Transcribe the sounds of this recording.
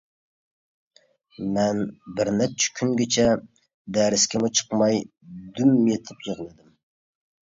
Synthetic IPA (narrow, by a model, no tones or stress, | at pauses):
mɛnbɪɾnɛp̚t͡ʃʰɪ̥kʲʰyŋɡʲɪt͡ʃʰɛ | d̪ɛɾɪskʲʰɪmut͡ʃʰə̥qmɑj | d̪ymːjet̪ʰɪpjəʁlˠɨd̪ɪm